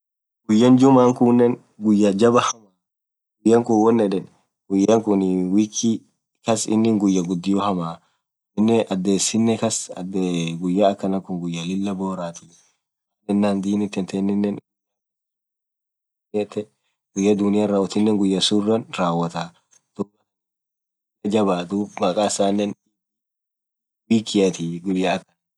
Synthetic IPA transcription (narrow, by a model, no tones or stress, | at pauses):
ɡʊjːɐnd͡ʒʊmaːŋkʊnːɛn | ɡʊjːad͡ʒɐbɐhɐma | ɡʊjːɐŋkʊwɔnːɛᶑɛn | ɡ̥ʊjːɐŋkʊnwiːkʰːi | kɐsɪ̰nːɪŋɡʊjːɐɡʊd̪ːɪjɔhɐmaː | ɪnːɛʔɐd̪ːeːsːɪnːɛkɐsɐdɡʊjːaːkːɐnɐkʊŋɡʊjːalɪlːɐboːɾaːt̪ʊ | ɐnːɛnːaːnd̪iːnɪt̪ːɛnt̪ʰɛnːɪnːɛnɡja | nɪɐt̪ːɛ | ɡʊjːɐd̪ʊnɪjaːɾaːwɐt̪ɪnːɛŋɡʊjːɐsʊrːɐnraːwɐt̪a | t̪ubɐ | ɪlɐd͡ʒɐbaːt̪umɐkʼaːsaːnːɛn | wiːkʰːɪjɐt̪ɪɡʊjːaɐkːɐn